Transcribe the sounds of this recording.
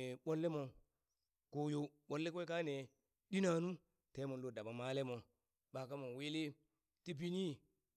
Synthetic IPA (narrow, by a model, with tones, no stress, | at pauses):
ɓo˦lːe˦mo˨ | ko˦jo˦ɓo˦lːe˦kka˦ne˨ | di˦na˨nu˦ | te˨˦mo˨˦lo˦˨da˨ɓa˨ma˦le˦mo˨ | ɓa˨ka˦mo˨we˦le˦ | ti˦bi˦ni˦